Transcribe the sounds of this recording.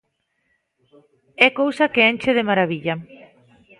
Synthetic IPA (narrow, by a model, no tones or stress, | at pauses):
ɛkowsɐkeent͡ʃeðemaɾaβiʎa